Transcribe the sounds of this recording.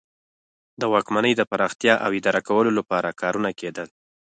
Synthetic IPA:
d̪əwɑkmanəjd̪əpaɾɑxt̪jɑʔawɪd̪ɑɾakawəlolapɑɾakʰɑɾunaked̪əl

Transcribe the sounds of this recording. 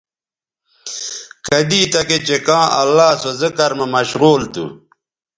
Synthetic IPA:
kɐd̪iːt̪ɐket͡ɕekãːʔɐ̰lːaːsozəkɐɾmɐmɐɕɣuːlt̪ṵ

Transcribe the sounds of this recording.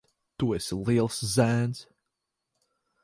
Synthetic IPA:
t̪uɪslilˠszænz̥

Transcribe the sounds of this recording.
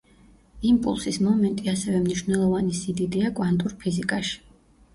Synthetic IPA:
impʼṵlˠsismɔmɛnt̪ʼiasɛvɛmniʃvnɛlˠɔvanisid̪id̪iakʼwant̪ʼuɾpʰizikʼaʃi̥

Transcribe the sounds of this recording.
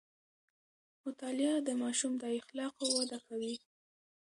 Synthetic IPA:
mʊt̪ɑlɪad̪əmɑʃumd̪aɪxlɑqowad̪akawi

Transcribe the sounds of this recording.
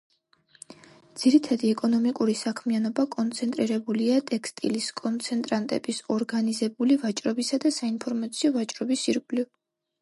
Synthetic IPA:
d̪z̥iɾit̪ʰad̪iɛkʼɔnɔmikʼuɾisakʰmianɔbakʼɔnt̪sʰɛnt̪ʼɾiɾɛbuliat̪ʼɛkst̪ʼiliskʼɔnt̪sʰɛnt̪ʼɾant̪ʼɛ̰bisɔɾɡanizɛbulivat͡ʃʼɾɔbisad̪asainpʰɔɾmat̪sʰiɔvat͡ʃʼɾɔbisiɾkʼliv

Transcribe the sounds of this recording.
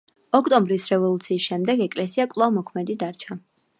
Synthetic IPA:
ɔkʰt̪ʼɔmbɾisɾɛvɔlˠut̪sʰiːsʃɛmd̪ɛɡɛkʼlɛsiakʼlˠavmɔkʰmɛd̪id̪aɾt͡ʃʰa

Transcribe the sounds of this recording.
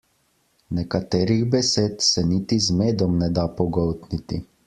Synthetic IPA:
nɛkat̪eːɾiɣbɛseːt̪sɛnit̪izmeːd̪ɔmnɛd̪apɔɡɔwt̪nit̪i

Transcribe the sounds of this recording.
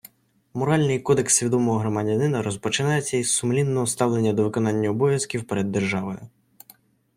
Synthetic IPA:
mɔɾɑlʲnɪjkɔd̪e̞ksʲʋʲid̪ɔmɔɦɔɦɾɔmɐdʲɐnɪnɐɾɔspɔt͡ʃɪnɑjet͡sʲːɐizsʊmlʲinːɔɦɔst̪ɑwlˠenʲːɐd̪ɔʋɪkɔnɑnʲːɐɔbɔʋʲjɐskʲiwpeɾed̪ːerʒɑʋɔjʊ

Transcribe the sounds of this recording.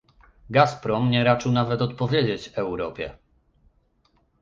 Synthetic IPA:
ɡaspɾɔmɲɛɾat͡ʂɘwnavɛt̪ɔt̪̚pɔvʲjed͡ʑet͡ɕɛwɾɔpʲjɛ̰

